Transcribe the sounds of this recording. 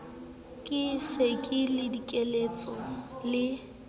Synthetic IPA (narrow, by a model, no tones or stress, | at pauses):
kʼɪsekʼɪlɪdikʼelet͡sʼɔlɪ